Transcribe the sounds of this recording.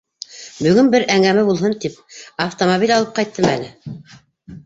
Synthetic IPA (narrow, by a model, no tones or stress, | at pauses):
bɵ̆ɣɵnbɘɾʔæŋæmæbulˠɦɤnt̪ip̚ɐft̪omobilʲɑlˠɤp̚qɑjt̪ːɤmælɘ